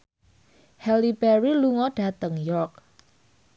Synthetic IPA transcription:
hɛlibɛɾiluŋɔɖ̥ä̤t̪əŋjɔrk̚

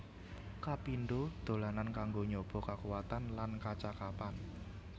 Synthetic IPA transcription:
kapinɖod̪̥o̤lanankaŋɡoɲob̥ɔ̤kakuwat̪anlankat͡ʃakapan

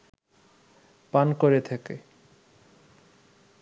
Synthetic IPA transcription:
pankoɾet̪ʰekḛ

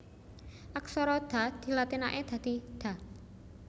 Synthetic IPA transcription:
ʔak̚sɔɾɔd̪̥a̤d̪̥i̤lat̪inaʔed̪̥ä̤d̪̥i̤d̪̥a̤

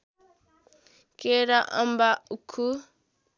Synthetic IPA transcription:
keɾaʔa̰mbaukʰu

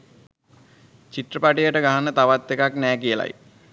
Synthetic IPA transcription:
t͡ɕiʈrəpaʈijəʈəɡaɦanət̪aʋat̪ːekaknɛːkijəla̰j

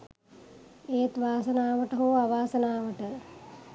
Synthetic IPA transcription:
eːt̪ʋaːsɐnaːʋəʈəɦoːaʋaːsɐnaːʋəʈə

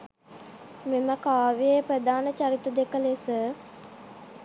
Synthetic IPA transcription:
meməkaːʋijeprəd̪aːnət͡ʃaɾit̪əd̪ekəlesə

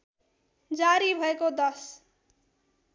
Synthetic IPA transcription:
d͡zaɾibʱʌekod̪ʌs

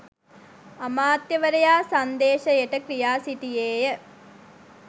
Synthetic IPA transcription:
ɐmaːt̪jɐʋɐɾɐjaːsɐnd̪eːʂɐɛʈɐkɾijaːsiʈ̪ijeːjɐ

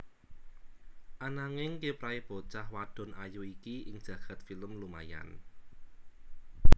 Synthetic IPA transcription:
ʔanaŋɪŋkepɾaib̥ot͡ʃahwad̥ɔ̤najuikiɪŋd̥ʒ̥ä̤ɡ̥a̤t̪filəmluma̰ja̰n

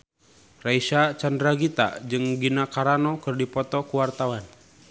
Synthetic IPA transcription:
raisat͡ʃandɾaɡit̪a̰d͡ʒɨŋɡinakaɾanɔkɨrdipɔt̪ɔkuwart̪awan

